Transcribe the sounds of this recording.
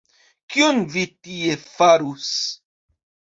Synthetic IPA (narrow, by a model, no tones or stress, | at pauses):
kionvitiefaɾus